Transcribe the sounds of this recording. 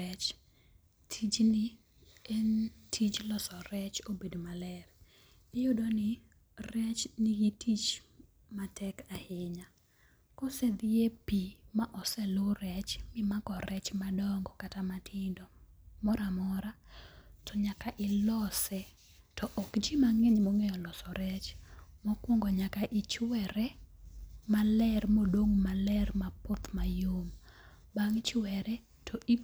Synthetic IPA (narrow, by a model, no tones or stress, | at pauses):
ɛt͡ʃ | tʰid͡ʒnɪ | ɛntʰit͡ʃlɔsɔɾɛt͡ʃobedmalɛr | ejodɔnɪ | rɛt͡ʃnɪɡitʰit͡ʃ | matɛkahɪɲa | kɔsɛd̪ɪepimaʔɔsɛlorɛt͡ʃmɪmakɔɾɛt͡ʃmadɔŋɡɔkatamatʰɪndɔ | mɔɾamɔɾatɔɲakaʔɪlɔsɛ | tɔʔɔkd͡ʒimaŋeɲmoŋɛjɔlɔsɔɾɛt͡ʃmɔkwɔŋɡɔɲakaʔɪt͡ʃwɛɾɛ | malɛrmodoŋmalɛrmapot̪majom | baŋt͡ʃwɛɾɛ | tʰɔʔi